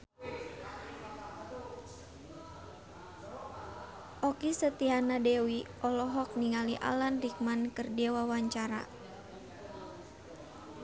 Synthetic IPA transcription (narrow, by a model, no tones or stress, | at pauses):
ʔɔkisət̪ianadɛwi | ɔlɔɦɔk̚niŋaliʔa̰lanrik̚mankərdɛwawaɲt͡ʃaɾa̰